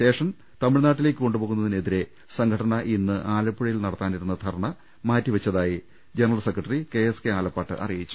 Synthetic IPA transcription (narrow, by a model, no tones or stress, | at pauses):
ɕe̞ːʂɐm | t̪ɐmiɻnaːʈːile̞ːk̬ʲːɨko̞ɳɖɨpo̞ːɣunːɐðineðiɾe̞ | sɐŋɡʰʱɐɽɐnɐʔinːɨʔaːlɐpːuɻɐjilnɐɽɐt̪ːaːniɾunːɐt̪ʰɐɾɐɳɐ | maːtːiʋɐt͡ɕːɐðaːji | d͡ʑenɐrɐlsekrɐʈːɐrike̞eskeaːlɐpːaːʈːɨ̰ʔɐ̰rijit͡ɕːu̥